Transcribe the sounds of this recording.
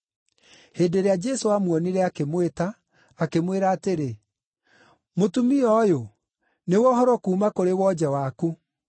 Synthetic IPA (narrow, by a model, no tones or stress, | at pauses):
heːndeɾead͡ʒɛsoamwɔniɾɛakemwetaː | kemweɾaːteɾe | motumiɔjo | newɔɦɔɾɔkuːmakoɾewɔd͡ʑɛwaku